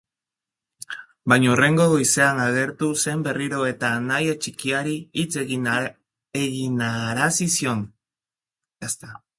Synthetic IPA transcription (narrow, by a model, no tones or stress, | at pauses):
baɲore̞ŋɡoɣoise̞aŋaɣe̞ɾt̪use̞mbe̞riɾo̞e̞t̪anajet͡ʃikiaɾiit͡se | eɣinaɾasisjo̞n | est̪a